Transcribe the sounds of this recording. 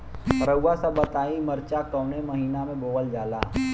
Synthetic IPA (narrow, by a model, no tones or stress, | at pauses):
ɾəuwasəbət̪aːimɐɾt͡ʃakəːnemɐɦiːnamẽboːʋəld͡ʒaːla̰ː